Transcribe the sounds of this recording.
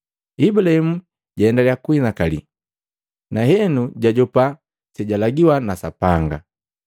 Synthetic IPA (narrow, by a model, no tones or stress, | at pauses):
ibulahɛmu | ɟaɛndaljakuinakalḭ | naɦɛnuɟaɟɔpa | sɛɟalaɡiwanasapaŋɡa̰